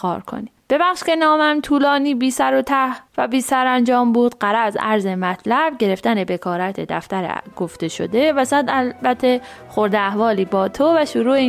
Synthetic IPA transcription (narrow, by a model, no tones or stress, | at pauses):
kʰɒ̰ːɾkʰo̞̰nib̥e̞bæχʃce̞nɒːmæmt̪ʰuːlɒːniːbiːsæɾo̞t̪ʰæhvæ̰biːsæɾænd͡ʒɒːmbuːd̪̥ɢæɾæzæ̰ɾze̞mæt̪ʰlæb̥ɟe̞ɾe̞ft̪æne̞be̞kʰɒːɾæt̪ʰed̪æ̰ft̪æɾḛɡ̥oft̪e̞ʃo̰d̪e̞væsæd̪ælbæt̪ʰːe̞xoɾd̪eæhvɒːliːbɒːt̪ʰovæʃuɾuːe